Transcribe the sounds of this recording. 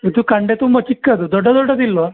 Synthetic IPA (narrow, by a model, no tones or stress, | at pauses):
id̪ukɐɳɖet̪umbɐt͡ʃikːɐd̪ud̪ɔɖːɐd̪ɔɖːɐd̪ilːo